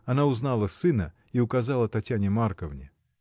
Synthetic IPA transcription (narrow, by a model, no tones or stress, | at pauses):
anaʊznalˠɐsɨnɐ | iʊkazalˠɐt̪atʲːanʲɪmarkəvnʲɪ